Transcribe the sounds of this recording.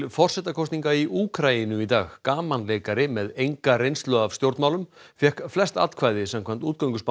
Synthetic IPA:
fɔr̥sɛt̪akʰɔst̪niŋkaiʔuːkʰɾainʏmit̪a̰ːɣkaːmanleːkaɾɪmɛðejŋkarejnst̪lœavst̪jowɾt̪maːwlʏmfjɛhkflɛst̪a̰t̪kʰvaːjðɪsamkʰvamn̥t̪uːt̪̚kawŋkʏsp

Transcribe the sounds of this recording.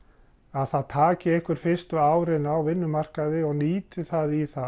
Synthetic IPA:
aðθaðt̪ʰaːcɪɛhkʏɾ̥fɪst̪ʏaːwɾɪnawvɪnːʏmar̥kaðɪɔɣniːt̪ʏθaðiθa

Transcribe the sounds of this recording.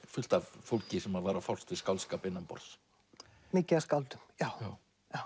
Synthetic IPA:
fʏl̥t̪afowlcɪsɛmaðvaːɾafɔwl̥st̪vɪskawlskaːpɪnːampɔ̰ɾs | mɪːcɪaskawlt̪ʏmjaːwaː | jaw

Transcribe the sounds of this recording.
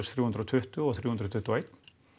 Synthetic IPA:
sθɾuːʉnd̪ɾɔt̪ʰʏht̪ʉɔθɾuːhnd̪ɾɔt̪ʰʏt̪ːuaɪjt̪

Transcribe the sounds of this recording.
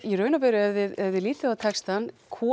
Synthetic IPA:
iɾœːɥnapɛɾʏɛvðɪðɛvðɪliːt̪ɪðawt̪ʰɛkst̪ankʰɔː

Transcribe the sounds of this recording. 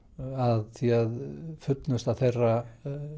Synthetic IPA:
aðθiaðfʏt̪nʏst̪awθejrːa

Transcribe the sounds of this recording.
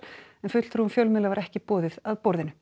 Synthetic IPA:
ɛnfʏt̪l̥ɾhunfjœlmɪðlavaɾɛhcɪpɔːðɪðaðpɔɾðɪnʏ

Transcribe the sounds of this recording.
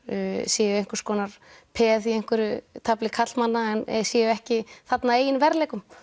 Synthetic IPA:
sjɛːjʏejŋ̥kʏɾ̥skɔːnaɾ̥ | pʰɛθiejŋkʏɾʏt̪ʰaplɪkʰat̪lmanːaɛnsjɛːjʏɛhcɪθat̪naeːjɪnvɛɾlɛːkʏm

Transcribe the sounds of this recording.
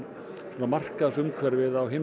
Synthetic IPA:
sɔnamar̥kaðasʏmkʰvɛɾvɪðawɦɪm

